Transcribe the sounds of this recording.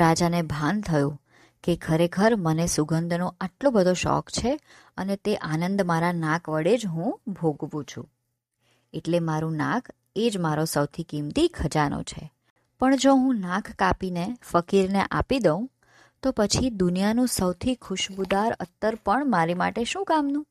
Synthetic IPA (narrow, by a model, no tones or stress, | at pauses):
ɾad͡ʒanebʱant̪ʰəjũ | kekʰəɾekʰəɾmənesuɡənd̪ʱnõaʈlobəd̪ʱoʃɔ̰kt͡ʃʰe | ənet̪eʔanənd̪maɾanãkʰʋəɽed͡ʒɦũbʱoɡʋũt͡ʃʰṵ̃ | eʈlemaɾũnã̰kʰ | ed͡ʒmaɾosəwt̪ʰikimt̪ikʰəd͡ʒano̰t͡ʃʰḛ | pəɳd͡ʒoɦũnãkʰːapinefəkiɾneʔapid̪əũ | t̪opət͡ʃʰid̪ʊnijanũsəwt̪ʰikʰʊʃbud̪aɾə̰t̪ːəɾpəɳmaɾima̰ʈeʃũkamnũ